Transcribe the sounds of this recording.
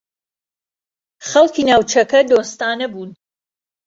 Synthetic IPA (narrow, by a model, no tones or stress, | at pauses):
χɐlˠkʰiːnaːwt͡ʃʰɐkɐd̪oːst̪aːnɐbuːn